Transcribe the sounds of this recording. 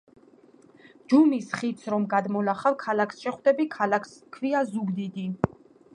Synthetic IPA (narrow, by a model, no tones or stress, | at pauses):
d͡ʒumisχit̪sʰɾɔmɡad̪mɔlaχavkʰalakʰsʃɛχwd̪ɛbikʰalakʰskʰviazuɡd̪id̪i